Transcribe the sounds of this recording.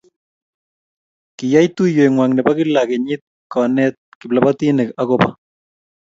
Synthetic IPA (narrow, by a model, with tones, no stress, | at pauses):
kɪ˨ja˦jt̪u˦je˨ŋwa˨ŋnɛ˨ba˦kɪ˦la˨ke˨ɲɪ˦t̪̚kɔ˨nɛ˦t̪̚kɪ˨bla˨ba˦t̪i˦nɪ˨ka˦ko˦pa˦